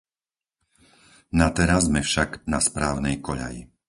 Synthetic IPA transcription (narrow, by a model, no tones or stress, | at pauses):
nat̪ɛɾazmɛfʃaɡnaspɾaːʊnɛjkɔʎa̰jḭ